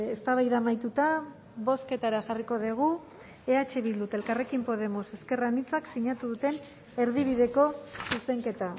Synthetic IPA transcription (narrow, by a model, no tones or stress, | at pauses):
est̪aβajðamajt̪ut̪a | βo̞ske̞t̪aɾaʝariko̞ðeɣ̞u | eat͡ʃeβild̪ut̪e̞lkare̞kimpo̞ð̞e̞mo̞se̞ske̞ranit͡saksiɲat̪uðut̪e̞n | e̞ɾðiβ̞iðe̞ko̞suse̞ŋke̞t̪a